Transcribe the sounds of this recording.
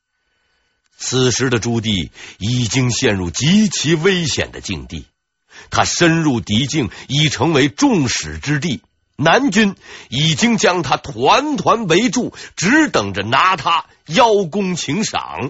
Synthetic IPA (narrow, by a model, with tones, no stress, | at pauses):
t͡sʰɹ̩˨˩ʂɻ̩˧˥d̪ə˧ʈ͡ʂu˥t̪̬i˥˩i˨˩t͡ɕi˥ŋɕjɛ˥˧nɻu˥˩t͡ɕi˧˥t͡ɕʰi˧˥we˥ɪɕjɛ̰˨˩nd̪ə̰˦t͡ɕḭ˥˧ŋt̪ḭ˥˩ | t̪ʰa˥ʂə˥nɻu˥˩t̪i˧˥t͡ɕi˥˩ŋi˨˩ʈ͡ʂʰɤ˧˥ŋwe˧˥ɪʈ͡ʂʊ˥˩ŋʂɻ̩˨˩ʈ͡ʂɻ̩˥t̪̬i˥˩ | na˧˥nt͡ɕy˥ni˨˩t͡ɕi˥ŋt͡ɕjɑ˥ŋt̪ʰa˥t̪ʰwa˧˥nt̪ʰwa˧˥nwe˧˥ɪʈ͡ʂu˥˩ʈ͡ʂɻ̩˧˥t̪ɤ˨˩ŋʈ͡ʂə˦na˧˥t̪ʰa˥ | jɑ˥ʊkʊ˥ŋt͡ɕʰi˧˥ŋʂɑ̰˨˩˦ŋ